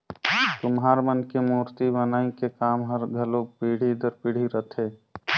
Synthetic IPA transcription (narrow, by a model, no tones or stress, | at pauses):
t̪ʊmɦaːɾmənkemuːɾt̪ibənaːĩkekaːmɦəɾɡʱəlopiːɽ̤id̪əɾpiːɽ̤iɾət̪ʰe